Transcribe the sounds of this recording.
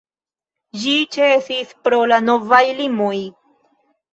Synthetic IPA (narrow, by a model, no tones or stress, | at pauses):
d͡ʒit͡ʃesispɾo̞lano̞vajlimoj